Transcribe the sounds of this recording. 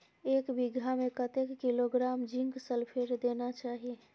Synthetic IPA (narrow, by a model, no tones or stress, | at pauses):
ekbiɡamekət̪ekːiloɡɾamd͡ʒiŋɡsəlpʰeɾd̪enat͡ʃaɦie